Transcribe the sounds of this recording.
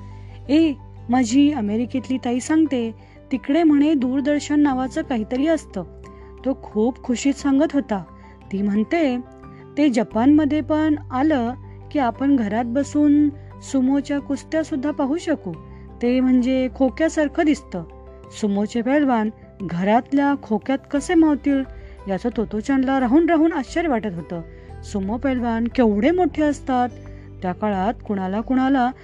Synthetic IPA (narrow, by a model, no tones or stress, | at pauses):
e | məd͡ʑʱiːəmeɾiket̪liːt̪aiːsaŋɡt̪e | t̪ikɽem̤əɽ̃ed̪uːɾd̪əɾɕənːaʋat͡səːkaɦit̪əɾiːəst̪əː | t̪okʰuːpkʰuɕiːt̪sãŋɡət̪ɦot̪a | t̪iːm̤əɳt̪e | t̪ed͡ʑəpanməd̪ʱːjepəɳalə | kiːapəɳɡʱəɾat̪̚bəsuːn | sumot͡ɕjakust̪jasud̪ʱːapaɦuːɕəkuː | t̪em̤əɳd͡zekʰokjasaɾkʰəd̪ist̪əː | sumot͡ɕepɛɭʋan | ɡʱəɾat̪ljakʰokjat̪kəsemaʋt̪iːl | jat͡sət̪ot̪ot͡ɕaɳlaɾaɦuːnɾaɦuːnəɕəɾjʋaʈət̪ɦot̪əː | sumopɛɭʋankeʋɽ̤emoʈʰeəst̪at̪ː | jakaɭat̪kuɽ̃alakuɽ̃ala